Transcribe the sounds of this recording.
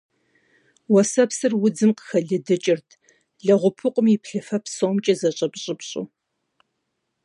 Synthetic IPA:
wɐsɐpsɨrwʊd͡zɨmqə̥xɐɮɨdɨt͡ʃʼɪrtʰ | ɮɐʁʷʊpʰʊqʷʼʊmipɬɨfɐpsomt͡ʃʼɐzɐɕʼɐpɕʼɪpɕʼṵ

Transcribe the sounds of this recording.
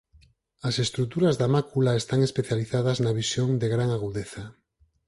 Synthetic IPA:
ɐsest̪ɾut̪uɾɐzðamakulaest̪aŋespeθjaliθaðɐznaβisjoŋd̪eɣɾaŋaɣuðeθɐ

